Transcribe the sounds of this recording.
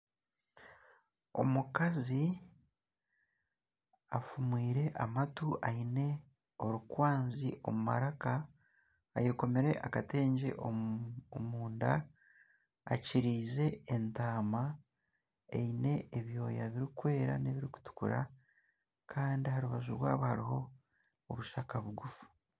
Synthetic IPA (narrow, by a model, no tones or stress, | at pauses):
o̞̰mukazi | afumwiːɾe̞ʔamatuʔaine̞ | o̞ɾukwaːnziʔo̞muma̰ɾaka̰ː | jeko̞me̞ɾe̞ʔakate̞ːɲɟḛʔo | muːnda | ciɾiːze̞ːntaːma | e̞̰ine̞ːβjo̞ːjaβiɾikwe̞ːɾa̰neβiɾiku̥tu̥kṵɾa̰ | kʰaːndihaɾuβaʒuɾwa̰ːβahaɾiɦo̞ː | βuʃakaβuɡufu̥